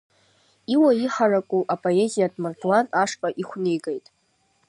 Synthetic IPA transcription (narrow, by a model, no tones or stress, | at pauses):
iwaiħarakʼuʔapʼo̞e̞zijadʼmartʰwanaʂkʼaʔiχʷnɨjɡʼejtʼ